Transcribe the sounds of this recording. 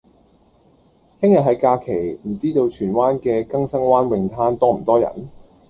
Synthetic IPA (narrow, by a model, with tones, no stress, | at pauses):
kʰɪ˥ŋjɐ˨ɦɐ˨˥jkaː˧kʰe˨˩jm̩˨˩t͡siː˥t̪o˧wt͡ʃʰyː˨˩nwaː˥nkɛː˧kɐ˥ŋsɐ˥ŋwaː˥nwɪ˨ŋt̪ʰaː˥nt̪ɔː˥˨˩t̪ɔː˥jɐ̰˨˩n